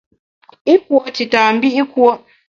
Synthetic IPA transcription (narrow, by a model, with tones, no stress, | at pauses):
i˦k̚wɔ˦ti˨taː˨m̩˦bi˦i˦kwɔ˦